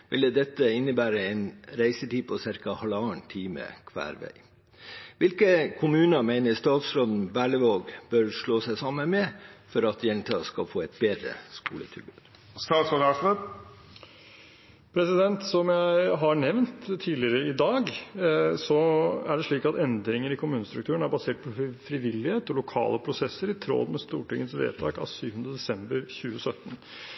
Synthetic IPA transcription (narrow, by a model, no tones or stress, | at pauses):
ʋɪləd̪ɛt̪ːəɪnːəbæːɾəɛɪnɾæɪsət̪ʰiːpʰɔsɪɾkɑhɑlɑːɳt̪ʰiːmə̰kʰʋæ̰ːɾʋæ̰ɪ | ʋɪlkəkʰʊmʉːnəmæɪnəst̪ɑːt̪sɾoːd̪n̩ʋæːɭəʋoːɡb̥œɾʂɭoːsæɪsɑmənmɛfɔɾɑt̪jɛnt̪ʰɑskɑlfoːɛɪt̪̚beːd̪ɾə̰skṵːlə̰t̪ʰɪ̰lbʉ̰ːd̪̥ | st̪ɑːt̪sɔlɑsnə | pʰɾɛsɪd̪ɛnt̪sɔmjæɪɦɑɳɛʋnt̪ʰːiːlɪəɾəɪd̪ɑːɡ | sɔæɖɛʂɭiːkɑt̪ɛnd̪ɾɪŋəɾɪkʰʊmʉːnəst̪ɾʉkt̪ʰʉːəɳæɾbɑseːʈ̚pʰɔfɾɪʋɪlːɪheːt̪ɔlʊkʰɑ̰ːləpʰɾʊsɛsːəɾɪt̪ʰɾo̰ːd̪mɛst̪ṵːʈɪŋːət̪sʋḛːt̪ʰɑːkɑ̰ʋsyːʋhənd̪ɾəd̪ɛsɛmbəɾçʉːəsœt̪ːən